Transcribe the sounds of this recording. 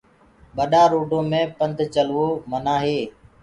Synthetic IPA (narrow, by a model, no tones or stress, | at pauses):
ɓəɗaːɾoːɖõːmẽːpənd̪ʱt͡ʃəlʋoːmənaːɦeː